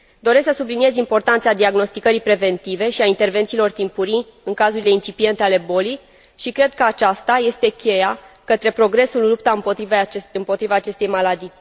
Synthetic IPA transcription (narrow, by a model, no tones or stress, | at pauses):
d̪o̞ɾe̞sksəsubliniezimpo̞rt̪ant̪sad̪iaɡno̞st̪ikəɾipɾe̞ve̞nt̪ive̞ʃiaint̪e̞rve̞nt̪siːlo̞rt̪impuɾi | ɨŋkazuɾile̞int͡ʃipie̞nt̪e̞ale̞bo̞lij | ʃikɾe̞d̪̚kəat͡ʃast̪aje̞st̪e̞kʲʰe̞jakət̪ɾe̞pɾo̞ɡɾe̞sulːupt̪aɨmpot̪ɾivɨmpo̞t̪ɾivaːt͡ʃe̞st̪e̞jmalad̪i